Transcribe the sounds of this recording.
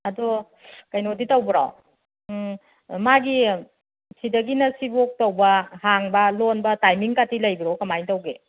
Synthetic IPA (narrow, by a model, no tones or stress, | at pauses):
ɐdo | kɐjnoditɐwbɐɾa̰w | maɡi | sidɐɡinɐsibok̚tɐwbɐhaŋbɐlonbɐtajmiŋkatilɐjbiɾokɐmajntɐwɡe